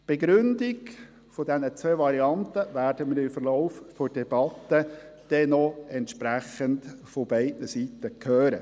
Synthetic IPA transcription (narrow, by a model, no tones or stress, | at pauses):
b̥eɡɾʏndiɡ | fɔdɛnət͡sʋeːʋɑɾiɑnt̪əʋæːɾdəmɪɾɪmfəɾlɔʊffɔd̥ɛb̥ɑtːəd̥ɛnɔɛntʃpɾæχəntfobɛɪdnəsit̪əkʰøːɾə̰